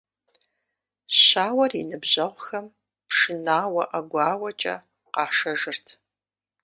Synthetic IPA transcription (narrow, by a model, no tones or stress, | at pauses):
ɕaːwɐrinɨbʑɐʁʷxɐm | pʂɨnaːwɐʔɐɡʷɑːwɐt͡ʃʼɐ̰ | qɑːʂɐʒɨrtʰ